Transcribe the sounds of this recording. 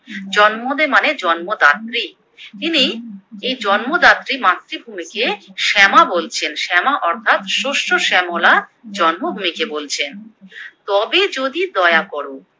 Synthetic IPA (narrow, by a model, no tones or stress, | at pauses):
d͡ʑɔnmod̪emaned͡ʑɔnmod̪at̪ːɾi | t̪iniejd͡ʑɔnmod̪at̪ːɾimat̪ːɾibʱumikeʃɛmabolt͡ɕʰenʃɛmaʔɔɾt̪ʰat̪ʃoʃoʃɛmolad͡ʑɔnmobʱumikebolt͡ɕʰent̪ɔbed͡ʑod̪id̪ɔeakɔɾo